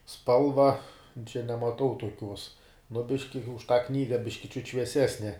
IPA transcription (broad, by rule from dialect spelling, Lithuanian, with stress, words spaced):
ˈspɐlˠʋɐ t͡ʃʲɛ nʲɛmɐˈtɐʊ tuɔˈkʲuɔs nʊ ˈbʲɪʃʲkʲɪ ʊʃ tɑː ˈknʲiːɡɐ ˈbʲɪʃʲkʲɪ t͡ʃʲʊt ʃʲʋʲiɛˈsʲæːsʲnʲɛ